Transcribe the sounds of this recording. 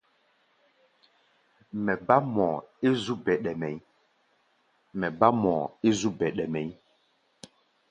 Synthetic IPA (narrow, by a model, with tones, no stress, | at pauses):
mɛ˨ba˦mɔː˨e˦zu˦bɛ˨ɗɛ˨mɛ˨j | mɛ˨ba˦mɔ˨e˦zu˦bɛ˨ɗɛ˨mɛ˨i˦